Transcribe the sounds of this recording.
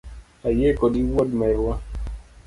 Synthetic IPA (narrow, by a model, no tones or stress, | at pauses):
ajekɔdiwɔdmɛɾwa